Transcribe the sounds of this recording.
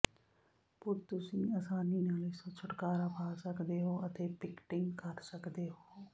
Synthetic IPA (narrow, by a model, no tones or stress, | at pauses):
pʊɾt̪ʊsĩːaːsaːniːnaːlɪsõːt͡ʃʰʊʈkaːɾaːbʰʱaːsəkd̪eːɦoːət̪eːpɪkʈɪŋɡkəɾsəkd̪eːɦoː